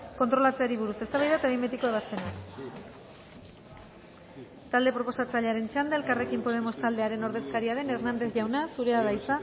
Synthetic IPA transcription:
ko̞nt̪ɾo̞lat͡seaɾiβ̞uɾusest̪aβajðat̪aβembet̪ikoeβ̞ast̪e̞nak | t̪ald̪e̞pɾo̞po̞sat͡saʎeaɾe̞nt͡ʃand̪aelkare̞kimpo̞ð̞e̞mo̞st̪ald̪eaɾe̞no̞ɾðe̞skaɾiaɾe̞ne̞ɾnand̪e̞θʝawnasuɾe̞aðajt͡sa

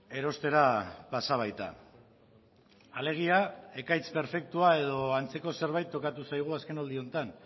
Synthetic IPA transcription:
e̞ɾo̞st̪e̞ɾapasaβ̞ajt̪a̰ | ale̞ɣ̞iae̞kajt͡spe̞ɾfe̞k̚t̪uae̞ð̞o̞ant͡se̞ko̞se̞ɾβ̞ajt̪ːo̞kat̪usajɣ̞uaske̞nold̪io̞nt̪an

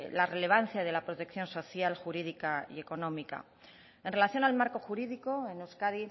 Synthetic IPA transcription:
lare̞le̞β̞an̟θjaðe̞lapɾot̪e̞kθjo̞nso̞θjalxuɾiðikaḭe̞ko̞nõ̞mika̰ | e̞nre̞laθjo̞nalmaɾko̞xuɾiðiko̞e̞nuskaði

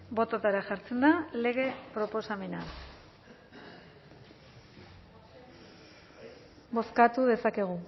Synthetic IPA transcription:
bo̞t̪ot̪aɾaxaɾt͡se̞nd̪ale̞ɣ̞e̞pɾo̞po̞same̞na | bo̞skat̪uðe̞sake̞ɣ̞u

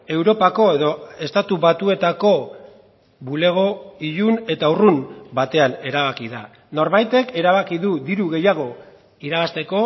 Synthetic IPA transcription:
e̞wɾo̞pako̞e̞ðo̞e̞st̪at̪uβat̪ue̞t̪ako̞ | βule̞ɣ̞o̞iʎune̞t̪aurunbat̪e̞ane̞ɾaβ̞akiða | no̞ɾβajt̪e̞ke̞ɾaβakiðuðiɾuɣe̞jaɣ̞o̞ | iɾaɣast̪e̞ko̞

